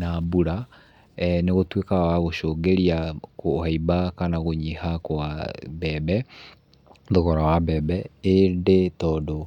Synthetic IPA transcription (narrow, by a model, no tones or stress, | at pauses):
nabuɾa | neɣotwekawaɣoʃoːɡeɾiakohaibakanaɣoɲihakwabɛːbɛ | ðoɣɔɾawabɛbɛendetɔdo